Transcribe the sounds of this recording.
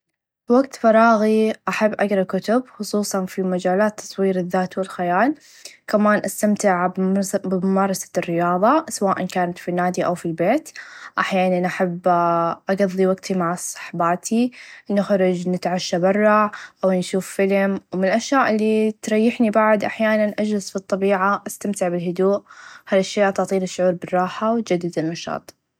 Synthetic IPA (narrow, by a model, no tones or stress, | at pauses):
waɡt̪fɑɾˤɑːɣiʔaħabːʔaɡɾˤɑkʊt̪ʊbxʊsˤuːsˤɑnfimad͡ʒaːlaːt̪ʰːɑ̥sˤwiːɾɪðːaːt̪wɪlxajaːl | kamaːnʔast̪amt̪ɪʕbbɪʊmɑːɾˤɑsḁrːɪjɑːðˤɑsawaːʔankaːnat̪finːaːd̪iʔawfilbeːt̪ʔaħjaːnanʔaħabːʔaɡɑðˤːiwaɡt̪ʰimaʕsˤɑ̥ħbaːt̪ʰinɪxɾˤɑd͡ʒnɪt̪ʕaʃːabɪrˤːɑʕʔawnʃuːffɪlmwmɪnlʔaʃjaːʔɪlːit̪ɾˤɑjːɪħnibaʕd̪ʔaħjaːnanʔad͡ʒlɪzfit̪ˤːɑbiːʕaʔast̪amt̪ɪʕbɪlɦʊd̪uːʔhaːlaʃːjaːʔt̪ʊʕt̪ˤiːlɪʃːʊʕuːɾbɪrˤːɑːħawt̪̚d͡ʒad̪ːɪd̪ɪlmɑʃɑ̰ːt̪ˤ